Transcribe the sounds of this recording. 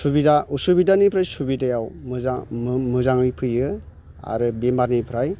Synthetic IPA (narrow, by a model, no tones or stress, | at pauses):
subidausubidanipʰɾajsubidajawmɯzamɯzaŋɯjpʰɯjɯ | a̰ɾɯbembaɾnipʰɾaj